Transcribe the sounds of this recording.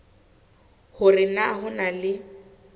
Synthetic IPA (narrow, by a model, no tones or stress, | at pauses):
hʊrɪnaɦʊnalɪ